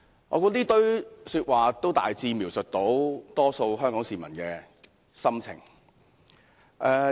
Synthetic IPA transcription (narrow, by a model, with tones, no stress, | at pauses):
ŋɔ̰ː˨˧kɔ˧t̪iː˥t̪ɵ˥ɥsyː˧t̚waː˨t̪o˥wt̪a̰ː˨jt͡siː˧miː˨˩wsɵ˨t̚t̪o˨˥wt̪ɔː˥so˧wɦœː˥ŋkɔː˨˥ŋsiː˨mɐ˨˩nkɛː˧ | sɐ˥mt͡sʰɪ̰˨˩ŋ | ʔɛ˧